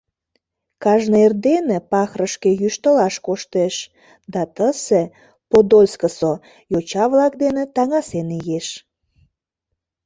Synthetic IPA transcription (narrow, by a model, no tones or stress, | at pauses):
kɑʒnəerd̪enepɑxrəʃkejyʃt̪əlɑʃkoʃt̪eʃ | d̪ɑt̪əse | pod̪olʲskəso | jot͡ɕɑβlɑkd̪enet̪ɑŋɑsenijeʃ